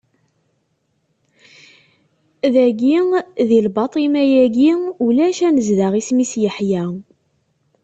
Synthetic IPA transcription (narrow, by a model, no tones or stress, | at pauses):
ðæɡiðilbɑt̪ˤimæjæɡiulæʃænəzðaʁismisjəħjæ